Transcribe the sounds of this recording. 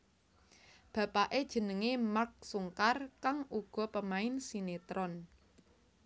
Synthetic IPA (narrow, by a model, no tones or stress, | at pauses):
b̥ä̤paʔed̥ʒ̥ə̤nəŋemark̚suŋkarkaŋuɡ̥ɔ̤pəmaɪnsinet̪ɾɔn